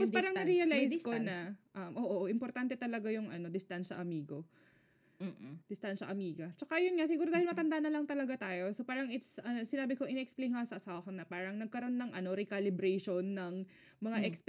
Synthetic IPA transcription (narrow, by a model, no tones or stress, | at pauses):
apospaːɾɐŋnɐɾiːɐlajskonɐʔɐmʔo̞ːʔoʔoʔɪmpoɾt̪ant̪ɛt̪ɐlɐɡajʊŋʔɐno̞d̪ɪst̪anʃɐ̰ʔɐmiːɡo̞ | d̪ɪst̪anʃɐʔɐmiːɡɐt͡ʃɐkaʔɐjonŋas̬ɪɡuːɾod̪ahɪlmɐt̪ɐnd̪aʔnɐlɐŋt̪ɐlɐɡat̪aːjo̞sopaːɾɐŋʔɪt̪sʔɐnosɪnaːbɪkoʔɪnɛʔɛksplejnhkasɐʔɐsaːwɐkɐnɐpaːɾɐŋnɐɡ̚kɐɾo̞nːɐŋʔɐno̞ɾɪkalɪbɾɛjʃonːɐŋ | mɐŋaʔɛks